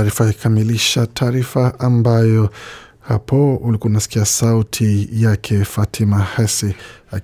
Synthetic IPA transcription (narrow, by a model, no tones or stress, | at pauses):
ɾifaiikamiliʃatʰaːɾifaʔambajɔ | hapɔulikuaunasi̥kiasautʰijakʰɛfatʰimahɛsia